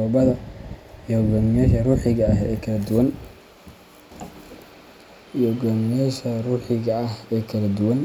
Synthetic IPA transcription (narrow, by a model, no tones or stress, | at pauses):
ɔːbɐðɐjɡaːmɪjaːʃɐruːħɪɣɐɐɦɛkʰɐlɐd̪ʊwɐn | jɔɡaːmɪjaːʃɐruːħɪɣɐɐhɛːkʰɐlɐd̪ʊwɐn